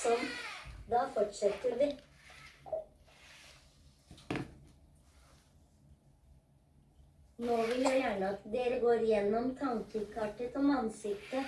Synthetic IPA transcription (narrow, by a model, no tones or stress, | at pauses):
ɔmd̪ɑːfɔʈʃɛt̪əɾʋiː | noːʋɪljuːjæːɳəɑt̪d̪eːɾəɡoːɾjɛnɔmt̪ʰɑŋkəkʰɑʈət̪ɔmɑnsɪkt̪ə